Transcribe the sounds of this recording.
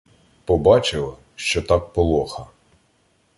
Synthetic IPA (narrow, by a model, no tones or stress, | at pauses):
pɔbɑt͡ʃɪlˠɐ | ʃt͡ʃɔt̪ɑk̚pɔlˠɔxɐ